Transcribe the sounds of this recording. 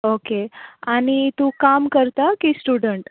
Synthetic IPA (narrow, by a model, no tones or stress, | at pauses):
okeañit̪ũkamkəɾt̪akisʈuɽəɳʈ